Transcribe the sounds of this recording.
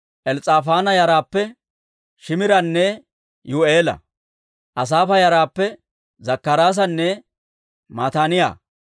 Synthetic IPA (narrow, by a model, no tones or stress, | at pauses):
ʔɛlt͡sʼaːfaːnɐjɐɾaːpːɛ | ʃɪmɪɾɐnːɛ | jueːlɐ̰ | ʔɐs̬aːfɐjɐɾaːpːɛ | zɐkːɐɾaːs̬ɐnːɛ | maːt̪aːnɪja̰ː